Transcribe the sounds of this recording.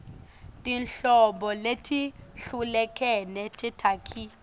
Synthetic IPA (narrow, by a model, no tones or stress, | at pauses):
tʼinɬɔmbɔletʰiɬulɛkʰɛnɛtʰitʰakʰi